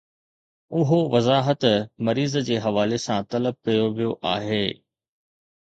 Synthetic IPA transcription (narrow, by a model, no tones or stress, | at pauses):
ʊɦoʋɐzaːɦət̪mɐɾiːzd͡ʑeːɦɐʋaːlesãt̪ɐləb̚kɐjoʋijoʔaːɦeː